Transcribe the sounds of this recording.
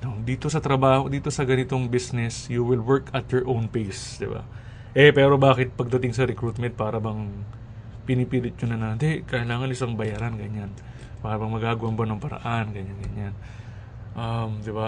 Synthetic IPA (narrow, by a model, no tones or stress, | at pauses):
nod̪iːt̪o̞sɐt̪ɾɐbaːhod̪iːt̪o̞sɐɡɐnɪt̪o̞ŋbisnɛsjuwɪlwɛɹkʰɐt̪joɹʔownpejsd̪ɪba̰ | ʔɛpɛːɾo̞baːkɪt̪̚pɐɡ̚d̪ɐt̪ɪŋsɐɾɛkɾuːt̪̚mɛnt̪̚paːɾɐbɐŋ | pɪnipiːlɪt̪̚ɲʊnɐnand̪ɛkɐʔɪlaːŋɐnʔɪsaŋbɐjaːɾanɡɐɲan | paːɾɐbɐŋmɐɡaːɡʊwɐnbanɐŋpɐɾɐ̰ʔanɡɐɲanɡɐɲan | ʔɐmd̪ɪba